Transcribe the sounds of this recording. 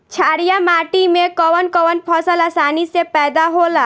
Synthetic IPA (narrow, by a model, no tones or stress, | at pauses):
t͡ʃʰaːɾijamaʈimẽkɔwənkɔʋənpʰɔsəlasaːnisepɛːd̪aɦola